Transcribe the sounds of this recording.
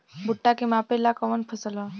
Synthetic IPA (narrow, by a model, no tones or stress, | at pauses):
buʈːakimapelːakəʋənpʰəsəlʋa